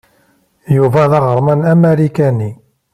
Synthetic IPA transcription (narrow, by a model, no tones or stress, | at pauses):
juvæðɑʁəɾˤmænæmæɾikæni